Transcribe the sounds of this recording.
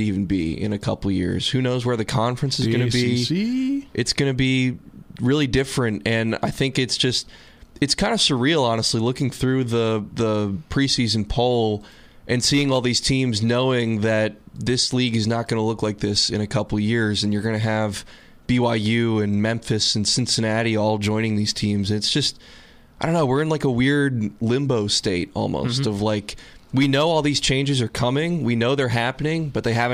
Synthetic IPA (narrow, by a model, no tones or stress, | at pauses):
ɾivn̩bḭɪ̰̃nɨkʰʌ̰pl̩ˠjɪ̰ɹz̥hʉnoʊzwə˞ðɨkʰɑ̃ɱfɹɨ̃nsɨzɡʌnɨbi | ʔɨtsɡ̥ʌnɨbiɹɪlˠidɪfɹɨ̃ntɨ̃na̰ɪθɪ̃ŋkɨtsd̥ʒ̥ʌst̚ | ɨtskʰãɪ̃ndɨsəɹil̩ˠɑnəstˡlilʊkɪ̃ŋθɹʉðəðəpʰɹ̥isizɨ̃n̩pʰoʊlˠ | ʔɨ̃nsiɪ̃ŋɔlˠðiz̥tʰĩmznoʊɪ̃ŋðɨt̪̚ðɪsliɡɨznət̚ɡ̥ʌnəlʊklaɪk̚ðɪsɨ̃ñɨkʰʌpl̩ˠjɪɹzɨ̃njə˞ɡʌñɨɨv | b̥iwaɪjʉɨ̃nmɛ̃ɱfɨsɨ̃n̩sɪ̃nsɨnæɾiɔlˠd͡ʒɔ̃ɪ̃ñɪ̃ŋðiz̥tʰĩmzɨ̃nɨtsd̥ʒ̥ʌst̚ | ɪdõʊ̃nːoʊwɪɹɨ̃nlaɪkəwɪɹd̚lɪ̃mboʊsteɪɾɔ̰lˠmo̰ʊstʌvlaɪkwinoʊɔlˠðiz̥t͡ʃʰẽɪ̃nd͡ʒɨzə˞kʰʌmɪ̃ŋwinoʊðə˞ɦæpənɪ̃ŋb̥ʌt̪̚ðeɪɦævɨ̃